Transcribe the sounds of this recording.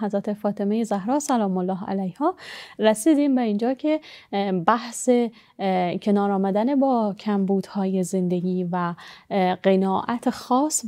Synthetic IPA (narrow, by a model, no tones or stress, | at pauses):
ɦæzɾæt̪ʰe̞fɒːt̪ʰe̞mejezæhɾɒːsælɒːmolːɒːɦæ̰læjhɒːɾæsiːd̪iːmbeind͡ʒɒːcʰe̞bæhse | cʰe̞nɒːɾɒːmæd̪ænebɒːcʰæmbuːd̪̥hɒːjeze̞nd̪e̞ɡiːvæ | ɢenɒːʔæt̪ʰexɒːs